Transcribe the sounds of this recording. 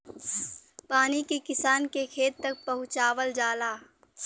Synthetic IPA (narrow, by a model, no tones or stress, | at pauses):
paːnikekɪsaːnkekʰeːt̪t̪ɐk̚pɐɦʊ̃t͡ʃaːʋəld͡ʒaːlaː